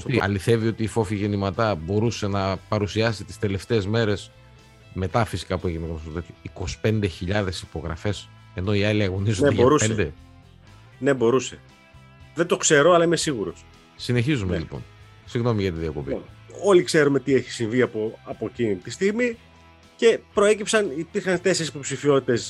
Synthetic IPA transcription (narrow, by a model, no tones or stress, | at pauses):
ɐ̰liθe̞vio̞t̪iːfo̞fiʝe̞nimɐt̪ɐbo̞ɾuse̞nɐpɐɾusiɐsit̪i̥st̪e̞le̞ft̪e̞ːzme̞ɾe̞s | me̞t̪ɐfisi̥kɐpueʝineɣnosot̪et̪iːko̞si̥pe̞nd̪e̞çiʎɐðe̞sipo̞ɣɾɐ̰fe̞s | e̞no̞iɐliɐɣo̞nizoeʝɾuend̪e | nebo̞ɾuse̞ | ðent̪o̞kse̞ɾoɐlɐimesiɣuɾos | sine̞çizumelipo̞̰n | siɣno̞miʝɐt̪iðiɐkopḭolikse̞ɾumet̪ieçi̥siɱviɐpoɐpocinit̪ist̪iɣmi | ce̞pɾo̞e̞cipsɐnipiɾxɐnt̪e̞seɾisipo̞psifio̞t̪it̪e̞s